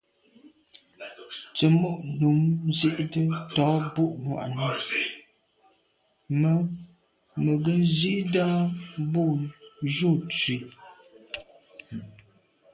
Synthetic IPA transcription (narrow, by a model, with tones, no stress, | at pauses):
t͡sə˨mu˦˨ʔnu˨˦mzi˦ʔdə˦tɔ˨˦bu˦˨ʔmwa̰˨ʔnə˦˨˦ | mə˨ɡə˦n̩˦zi˦ʔda˦bu˦˨ʒu˦˨t͡si˨˦